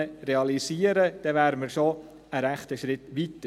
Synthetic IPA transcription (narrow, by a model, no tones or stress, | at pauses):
reɑlisiːəɾəd̥ɛʋæːɾməɾʃo | əɾæχt̪əʃɾɪt̪ʋit̪ə